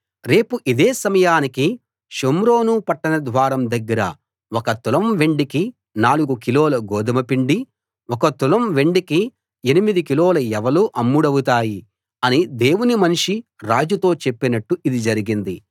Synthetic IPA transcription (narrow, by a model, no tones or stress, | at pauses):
ɾe̞ːpuʔid̪eːsɐmɐjaːniki | ʃomɾo̞ːnupɐʈːɐnɐd̪ʋaːɾɐmd̪ɐɡːɐɾɐ̰ | wɔkɐt̪ulɐmʋe̞ɳɖiki | naːluɡukiloːlɐɡɔːd̪ɐmɐpiɳɖi | ɔkɐt̪ulɐmʋe̞ɳɖiki | e̞nimid̪ikiloːlɐɛʋɐluːʔɐmːuɽɐwut̪̬aːji | ɐnid̪e̞ːwunimɐnʂiɾaːd͡ʒut̪o̞ːt͡ʃepːinɐʈːuʔid̪id͡ʒɐɾiɡind̪i